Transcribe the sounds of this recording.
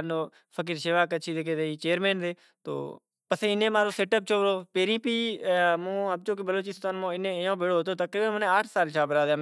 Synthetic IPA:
noː | fʰək̬iɾʃeːʋaːkət͡ʃʰiːd̪eːkeːd̪eiːt͡ʃeːɾmeːnd̪eː | t̪o̰ː | pəseːɪnẽːmãːɾoːseːʈəp̚t͡ʃʰoːɾoːpeːɾĩːpiːmũːəb̚t͡ʃoːk̬ibəloːt͡ʃiːst̪aːnmõːɪnẽːjõːbeːɽoːɦot̪oːt̪əkɾiːbənmənẽːaːʈʰsaːlʃaːbəɾaːd̪ãːm

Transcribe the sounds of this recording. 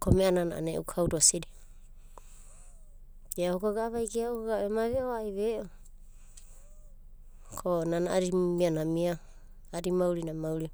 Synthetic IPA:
komeanana̰ʔa̰nḛʔukʰawdoasiɾi | ɡeaoɡaɡaβajɡeaokoɡaemaβeoajβeʔo | kʰonanaʔaɾimianamia | aɾimawɾinamawɾi

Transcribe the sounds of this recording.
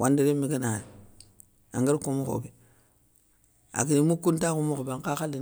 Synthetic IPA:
wʔandiɾemiɡina | a̰ŋɡiɾkumuko̰bi | a̰kinimukuntakumukobaŋkaxalːi

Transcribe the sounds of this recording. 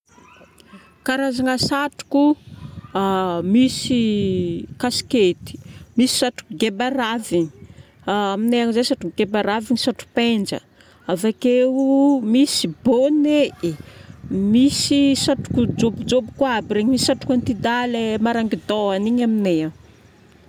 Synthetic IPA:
kaɾazaŋasaʈ͡ʂu̥ku | misi | kasket̪i̥misi̥saʈ͡ʂu̥kuɡebaɾaviɲi | amineaŋizesaʈ͡ʂukɡebaɾaviɲisaʈ͡ʂu̥pend͡ʒə̰ | avakeumisibonee | misisaʈ͡ʂu̥kud͡ʒobud͡ʒobukwabiɾeɲimisisaʈ͡ʂu̥kant̪id̪alemaɾaŋɡid̪oaniɲaminea

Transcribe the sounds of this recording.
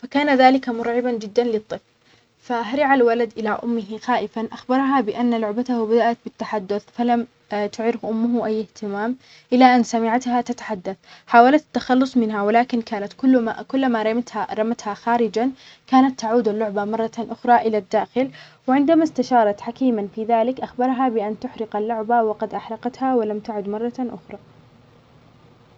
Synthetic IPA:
fakaːnaðaːlɪkamʊɾʕɪband͡ʒɪd̪ːanlɨt̪ˤːɨfl | faɦaɾɪʕalwalad̪ʔɪlaʔʊ̰mːɪɦɪxaːʔɪfanʔaxbɑɾˤɦabɪʔanːalʊʕbat̪ahbad̪aʔat̪̚bɪt̪ːaħad̪ːʊθfalam | t̪ʊʕɾɪfʔʊmːʊɦʔajːɪht̪ɪmaːm | ʔɪlaʔanːsamɪʕat̪hat̪at̪ḁħad̪ːaθħaːwalat̪at̪ːaxɑlːʊsˤmɪnɦawɪlaːkɪnkaːnat̪kʊlːkʊlːamaɾˤɑmat̪aɾˤɑmat̪haxaːɾɪd͡ʒan | kaːnat̪ːaʕuːd̪alːʊʕbamɑrˤːɑt̪ʔʊxɾˤɑʔɪlad̪ːaːxɪlwɪʕɪnd̪amast̪aʃɑːɾˤɑt̪ħakiːmanfiːðaːlɪkʔaxbɑɾˤɦabɪʔant̪ʊħɾɪqalːʊʕbawɑqɑd̪ʔaħɾˤɑqɑt̪hawɪlamt̪aʕʊd̪mɑrˤːɑʔʊ̰xɾˤɑ

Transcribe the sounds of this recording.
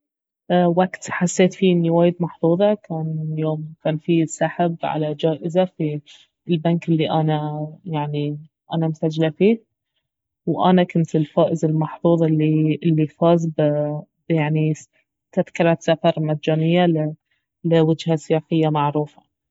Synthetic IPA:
waɡt̪ħasːeːt̪finːɪwaːjɪd̪mɑħθˤuːðˤɑkaːnjoːmkaːnfisːaħabʕa̰lad͡ʒaːʔɪzafi | lbankʔɪlːiʔanajaʕni | ʔanamʊsad͡ʒlafiː | wʔa̰nakʊnt̪ɪlfaːʔɪzɪlmɑħθˤuːðˤɪlːiʔɪlːifɑːzbbjaʕni | t̪aðkalat̪safɑɾˤmad̪d͡ʒaːnɪjːal | lɪwɪd͡ʒhasɪjaːxɪjːamaʕɾuːfḁ

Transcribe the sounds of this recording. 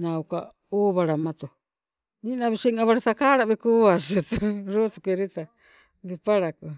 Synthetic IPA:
nawka̰ | oːβaɾamat̪o | ninaβiseŋaβaɾet̪akaɾaβekoasiot̪oɾotukeɾeta | bepaɾako

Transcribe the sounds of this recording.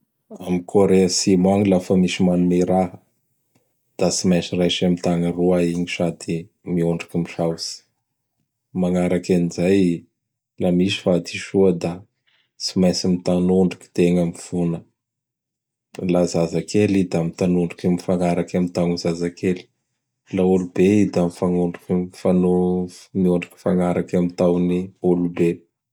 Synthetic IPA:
amikʰoɾeasimaŋilafəmiʃimanumeɾaɦ | d̪̥asimajsirajʃamit̪aŋəruaiɲiʃad̪i | miuɳɖ͡ʐakimiʃawsi̥ | maŋaɾakanizaj | lamisi̥fad̪iʃuəd̪a | simajsimit̪anuɳɖ͡ʐu̥ki̥t̪eŋamiv̥unə | lazazakelid̪amit̪anuɳɖ͡ʐikimifaŋaɾakamint̪awŋizazakeli̥ | laulubeid̪amifaŋuɳɖ͡ʐakifanumioɳɖ͡ʐḁki̥faŋaɾakamit̪awniulube

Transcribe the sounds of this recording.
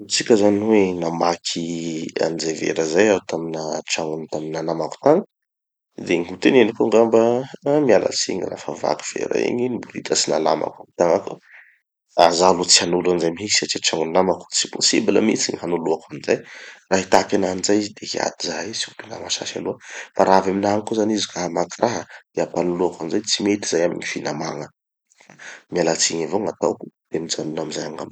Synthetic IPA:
ut͡sikʲəzanwenamakʰia̰nizajvḛɾəzajaut̪aminəʈ͡ʂaŋunt̪aminanamaku̥t̪aŋə | d̪eŋiɦut̪enenikuŋɡambamiala̰t͡sḭɲira̰fava̰ku̥v̥ḛɾa̰ḛɲinibuɾit̪ʰəsina̰la̰ma̰kau̥t̪aŋaku | azalut͡sianulanzajmiisi̥at͡ʃit͡ʃaŋunnamaku̥t͡si̥posibilə̰mḭt͡siɲihanuluakanizajraɦit̪akʲananizajizid̪eɦia̰d̪izaisiupina̰maʃa̰ʃa̰luəfaɾaavaminaɦŋikuzanizikaamakiraɦəd̪̥eapanuluakanzajt͡simet̪i̥zajamḭɲifinamaŋə | famialat͡siɲavoŋat̪awku̥d̪̥amit͡sanunaminzajaŋa̰m

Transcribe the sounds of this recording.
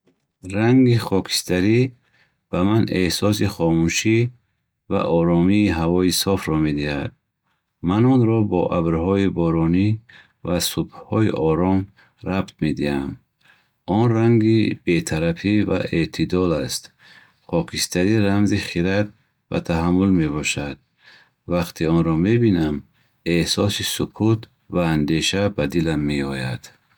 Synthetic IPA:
ɾaŋɡiχɔkʰi̥st̪aɾi | b̥amanehsɔs̬iχɔmuʃi | va̰ʔɔɾɔmiːɦavɔisɔfɾɔmed̪iha̰d̪̚ | manɔnɾɔbɔ̰ʔabɾhɔibɔɾɔni | vasubhɔiʔɔɾɔm | ɾabt̪̚med̪iha̰m | ɔnraŋɡib̥e̞t̪ʰaɾafiva̰ʔet̪ʰid̪ɔlast̪ | χʰɔkʰist̪aɾiɾamziχiɾat̪̚ | va̰t̪ʰaɦamːulme̞βɔʃad̪̥̚ | vaqt̪ʰiɔnɾɔmebinam | ehsɔsisukʰut̪ | vaːnd̪e̞ʃabad̪ilamːeɔjad̪̥

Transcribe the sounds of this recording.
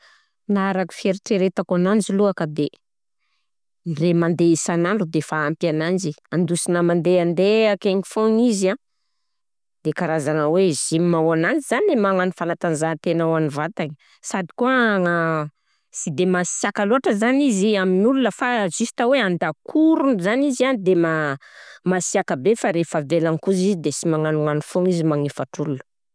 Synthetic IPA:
naɾaku̥feɾʈ͡ʂeɾet̪akanand͡ʒiluakəd̪e | nremand̪eisanaɳɖ͡ʐud̪efaːmpjanand͡ʒiand̪usinəmand̪eand̪eakeŋifõŋizã | d̪ekaɾazanəwez̥immawanand͡ʒizaniemaŋanifanat̪anzat̪enawanivat̪aɲ | sad̪i̥kuəaŋə | sid̪emasiakaluaʈ͡ʂəzaniziaminululəfazisi̥t̪aweand̪akʰuɾunzanizand̪ema | masiakəbefaɾefavelaŋikuzizid̪esimaŋanuŋanifoŋizimaŋifaʈ͡ʂululə̥

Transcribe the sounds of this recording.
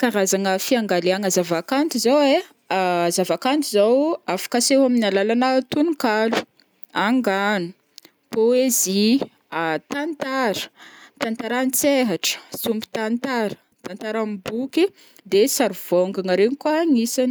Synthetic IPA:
kaɾazaŋəfiaŋɡaleaŋəzavakant̪izawe | zavakant̪izawafḁkaseɦaminalalanat̪unikalu̥ | aŋɡanu̥ | poezi | at̪ant̪aɾə̥t̪ant̪aɾanit͡seɦaʈ͡ʂə̥sumbi̥t̪ant̪aɾə̥ | t̪ant̪aɾambuki | d̪esaɾuv̥oŋɡaŋəɾeɲikuaŋisan

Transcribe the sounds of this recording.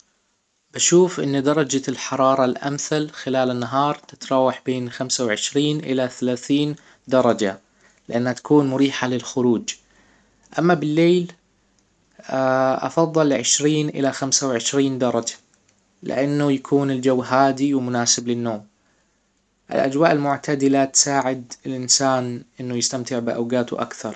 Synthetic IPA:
b̥aʃuːfʔɪ̰nːd̪ɑɾˤɑd͡ʒalħɑɾˤɑːɾˤɑlʔa̰mθalxɪlaːlɪnːaɦɑːɾˤt̪ɪ̥t̪ɾˤɑːwaħbeːnxamsawʕɪʃɾiːnʔɪlaθalaːθiːn | d̪ɑɾˤɑd͡ʒa | lɪʔanːhat̪ḁkuːnmʊɾiːħalɪlxʊɾuːd͡ʒ | ʔamːabɪlːeːl | ʔɑ̰fɑðˤːɨlːʕɪʃɾiːnʔɪ̰laxamsawʕɪʃɾiːnd̪ɑɾˤɑd͡ʒḁ | lɪ̰ʔanːʊjakʰuːnɪld͡ʒawːɦaːd̪iwmʊnaːsɪblɪnːoːm | ʔɪ̰lʔa̰d͡ʒwaːʔɪlmʊʕt̪ʰad̪ɪlat̪saːʕɪd̪ɪlʔɪnsaːnʔɪnːʊjɪst̪amt̪ɪʕbɪʔa̰wɡaːt̪ʊ̰ʔa̰kθɑɾˤ

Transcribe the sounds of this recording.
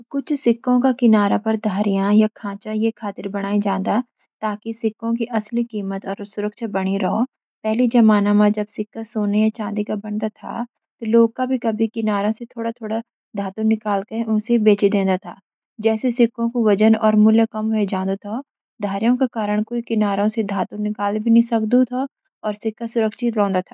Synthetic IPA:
kʊt͡ʃʰsɪkːõkakɪnaːɾapɐɾd̪ʱaːɾijãjakʰãːt͡ʃãjekʰaːt̪ɪɾbɐɽ̃aːid͡ʒãːnd̪a | t̪aːkisɪkːõk̬iʔɐslikiːmət̪ɔːɾsʊɾəkʃabɐɽ̃iɾɐɦo | pɛɦlid͡ʒɐmaːnamãd͡ʒɐbsɪkːasoːnejat͡ʃãːnd̪ikabɐnd̪at̪ʰa̰ː | t̪oloːɡ̚kabʱikɐbʱikɪnaːɾõset̪ʰoːɽat̪ʰoːɽa | d̪ʱaːt̪unɪkaːlkɐẽʔʊnsebeːt͡ʃid̪ẽːnd̪at̪ʰa̰ː | d͡ʒɛːsesɪkːõkoʋɐd͡ʒənɔːɾmʊljəkɐmɦʊɦed͡ʒãːnd̪ot̪ʰo | d̪ʱaːɾjõkakaːɾəɽ̃koːikɪnaːɾõsed̪ʱaːt̪unɪkaːlbʱinɐĩsɐkd̪ut̪ʰa | ɔːɾsɪkːasʊɾəkʃɪt̪ɾɔ̃ːnd̪at̪ʰaː

